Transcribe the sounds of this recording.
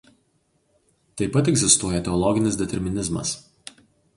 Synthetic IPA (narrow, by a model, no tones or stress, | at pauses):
t̪ɐɪpɐt̪ɛɡʲzʲɪst̪uɔjɛt̪ʲɛɔlˠɔɡʲɪnʲɪs̬d̪ʲɛt̪ʲɛɾʲmʲɪnʲɪzmɐ̰s